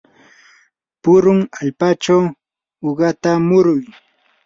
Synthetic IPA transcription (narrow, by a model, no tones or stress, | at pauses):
pʊɾʊŋaʎpat͡ʃaw | oɢɑt̪amʊɾʊj